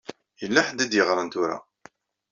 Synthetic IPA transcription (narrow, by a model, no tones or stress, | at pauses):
jəlːaħəd̪ːæd̪jəʁɾˤɑnt̪ʊɾa̰